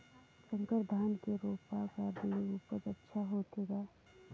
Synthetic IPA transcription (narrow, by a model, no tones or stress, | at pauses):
sə̃ŋkəɾd̪ʱaːnkeɾoːpakaːɾdineuːpəd͡ʒətːʃʰaɦot̪ʰeɡaː